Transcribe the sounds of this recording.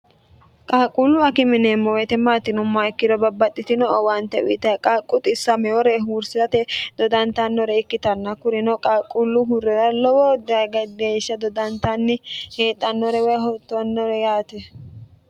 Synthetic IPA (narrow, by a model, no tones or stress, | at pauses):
kʼaːkʼulːʊɐkɪmɪneːmːɔwɛjt̪ɛmaːt̪ːɪnʊmːaɪkːɪd̪ɔbɐbːɐt̪ʼːɪt̪ɪnɔɔwɐnt̪ːɛʊɪt̪ɐkʼaːkʼːʊt̪ʼɪsːɐmɛwɔɾɛɦuːɾsɪzɐt̪ɛd̪ɔd̪ɐnt̪ɐnːɔɾɛɪkːɪt̪ɐnːɐkʊɾɪnɔkʼaːkʼːulːʊɦʊɾɛɾɐlɔwɔd̪ɪɐjɡɐd̪eːʃːɐd̪ɔd̪ɐnt̪ɐnːɪheːt̪ʼːɐnːɔɾɛwɛjɦɔt̪ːɔnːɔɾɛjaːt̪ɛ